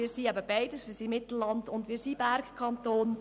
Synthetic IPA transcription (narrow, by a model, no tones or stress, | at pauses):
iːɾsiːæbəbaɪdəsʋiːsiːmɪtl̩lɑndʊndʋiːsiːbæɾkkʰɑntoːn